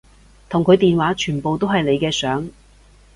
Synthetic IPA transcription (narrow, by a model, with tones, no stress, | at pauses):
t̪ʰʊ˨˩ŋkʰɵ˨˧ɥt̪iː˨nwaː˨˥t͡ʃʰyː˨˩npo˨wt̪o˥whɐ˨jle˨˧jkɛː˧sœː˨˥ŋ